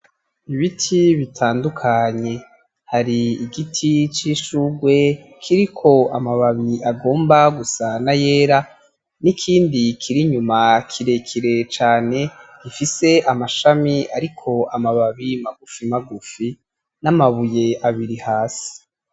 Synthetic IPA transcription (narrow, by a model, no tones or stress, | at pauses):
iβitʰiβitʰaːndukʰaɲe̞ | haɾiiɡitʰit͡ʃiʃuɡwe̞ | kʰiɾikʰo̞amaβaβiaɡo̞ːmbaɡusanajeːɾa | nikʰiːndikʰiɾiɲumakʰiɾe̞kʰiɾe̞t͡ʃaːne̞ɡifise̞ʔamaʃamiaɾikʰo̞amaβaβimaɡufimaɡufi | namaβuje̞ʔaβiɾihaːsi̥